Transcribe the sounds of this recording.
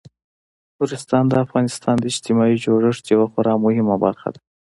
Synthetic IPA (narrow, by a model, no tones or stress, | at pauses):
hʊɾɪst̪ɑnd̪əafɣɑnɪst̪ɑnd̪əɪd͡ʒt̪ɪmɑid͡ʒoʐəʂt̪jawaxaɾɑmʊhɪmaba̰ɾxa̰d̪a